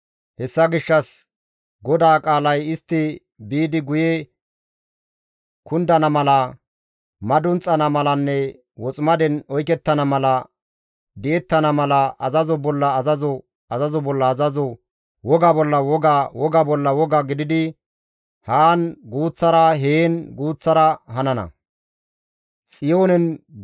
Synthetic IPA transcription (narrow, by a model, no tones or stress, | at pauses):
hɛsːɐɡɪʃːɐs | ɡɔd̪aːkʼaːlɐjɪst̪ːɪ | biːd̪ɪɡʊjɛ | kʊnd̪ɐnɐmɐlɐ | mɐd̪ʊnt͡sʼːɐnɐmɐlɐnːɛ | wɔt͡sʼmɐd̪ɛnɔjkɛt̪ːɐnɐmɐlɐ | d̪ɪɛt̪ːɐnɐmɐlɐɐzɐzɔbɔlːɐːzɐzɔ | ɐzɐzɔbɔlːɐːzɐzɔ | wɔɡabɔlːɐwɔɡawɔɡabɔlːɐwɔɡaɡɪd̪ɪd̪ɪ | haːnɡuːt͡sːɐɾɐɦeːnɡuːt͡sːɐɾɐɦɐnɐnɐ̰ | t͡sʼɪjo̞ːnɛn